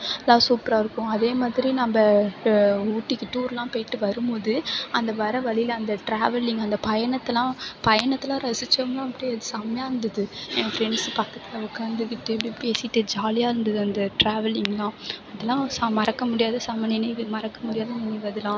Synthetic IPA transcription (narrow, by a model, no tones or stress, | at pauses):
lːãːsuːpɾaːɪɾɯkːʊ̃ɐðeːmaːðɪɾinɐmbɐ | uːʈːɪkːɯʈuːɾlãːpejʈːɯʋɐɾɯmboːðɯɐnd̪ɐʋɐɾɐʋɐɭɪɪlɐnd̪ɐʈɾaːʋɛlɪŋɡɐnd̪ɐpɐjɐɳɐt̪ːɐlãːpɐjɐɳɐt̪ːɪlãːɾɐsɪt͡ʃːɐɐmɡlãːɐpːɐɽɪiɐðɯsɐmɐjaːɪɾɯnd̪ɐðɯẽːfɾɛɳɖspɐkːɐt̪ːɪlɐʊkːaːnd̪ɯkɪʈːɛp̬ɽipeːsɪʈːɯd͡ʒaːlɪjaːɪɾɯnd̪ɐðɯɐnd̪ɐʈɾaːʋɛlɪŋɡlãːɐðɛlːãːsɐmɐɾɐkːɐmʊɽɪjaːðɐsɐmɐnɪnɐɪmɐɾɐkːɐmʊɽɪjaːðɐnɪnɛɪʋɐðɯlãː